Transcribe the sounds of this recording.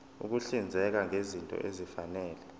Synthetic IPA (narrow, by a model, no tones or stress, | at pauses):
ṵk̬uɬind͡zʱɛk̬aŋezintʼɔ̰ʔezifanɛːlɛ